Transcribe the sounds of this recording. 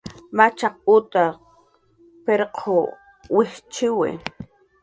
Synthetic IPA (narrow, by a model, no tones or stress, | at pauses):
mat͡ʃaq̚ut̪a | peɾqʰo | wɪht͡ʃɪwɪ̰